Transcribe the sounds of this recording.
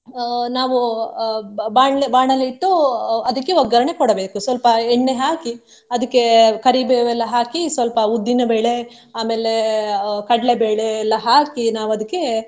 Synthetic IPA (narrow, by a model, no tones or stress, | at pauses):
naːʋu | baːɳlbaːɳɐlːiːʈːuɐd̪ɐkːeʋɔɡɐɾɐɳekɔɽɐbe̞ːkusʋɐlpɐɛɳːeɦaːki | ɐd̪ɐkːe̞kɐɾiːbeʋɛlːɐɦaːkisʋɐlpɐud̪ːinɐbeːɭe | aːmeːlekɐɽɐlebeːɭeːlːɐɦaːkinaːʋuɐd̪ɐkːe̞